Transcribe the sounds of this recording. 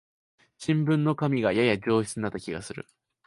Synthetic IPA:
ɕĩmbɯ̟̃nːo̞kamʲiɡajajad͡ʑo̞ːɕi̥t͡sɨɲʲinat̪ːakʲiɡasɨɾɯ̟̰

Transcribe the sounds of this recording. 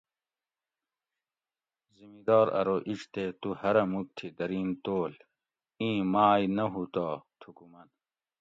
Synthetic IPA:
zimid̪ɔːɾɐ̰ɾoʔit͡ɕt̪et̪uhɐɾɐmuk̚t̪ʰid̪ɐɾiːnt̪oːl | ĩːmaːjnɐɦut̪oːt̪ʰukumɐn

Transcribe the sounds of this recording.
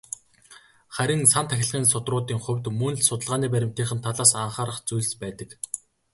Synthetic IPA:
χæɾʲɪ̆ŋsant̪ʰæxʲɪ̆ɮʁiːnsʊt̪rʊːt̪iːŋχɵwʲt̪mɵnɮsʊt̪ə̆ɮʁaːniːp̬æɾʲɪ̆m̥t̪ʰiːχɘ̆nt̪ʰːaɮaːsaɴχaːɾə̆χt͡sujɮspæːt̪ə̆k

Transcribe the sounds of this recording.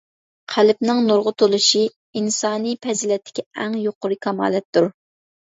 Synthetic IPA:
qʰælɪpnɪŋnoɾʁʊt̪ʰolˠɨʃi | insɑːnipʰɛzɪlɛt̪ʰːɪ̥kʲɛɛŋjoqʊɾɨkʰɑmɑ̰ːlɛt̪ːuɾ

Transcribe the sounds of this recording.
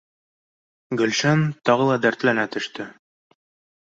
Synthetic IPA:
ɡɵ̆lʃænt̪ɒʁɤlˠɑd̪æɾt̪lænæt̪ɵ̆ʃt̪ɘ

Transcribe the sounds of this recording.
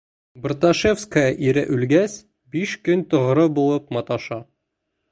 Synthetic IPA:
b̆rt̪aʃefskəjɑʔiɾɘʔʉlɡæs | biʃkɵnt̪ŏʁɾɤbulˠɤp̚mɑt̪ɑʃɑ

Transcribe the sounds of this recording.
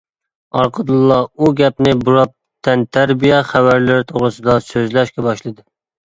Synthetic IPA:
ɑɾqʰəd̪ɨlˠːɑuɡʲɛpnɪbuɾɑp̚ | t̪ʰːænt̪ʰæɾbijɛχævæɾlɪɾɪt̪ʰoʁɾɨsɨd̪ɑsøzlæʃkʲɛbɑʃlˠɨd̪ɪ

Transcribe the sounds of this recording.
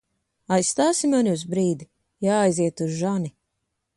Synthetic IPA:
ajssːt̪aːsimaniuzbɾiːd̪i | jaːjziɛt̪uzʒani

